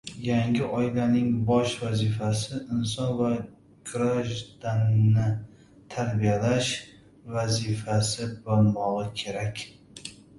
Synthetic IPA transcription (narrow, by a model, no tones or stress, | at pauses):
jaŋɡʲɪʔɒjlanɪŋbɒʃvazifasɪʔɪnsɒnva | ɡ̥ɾaʒd̪anːɪ | t̪ʰaɾbijalaʃ | vazɪfasɪbɒɾmɒʁɨkʲʰe̞ɾakʲ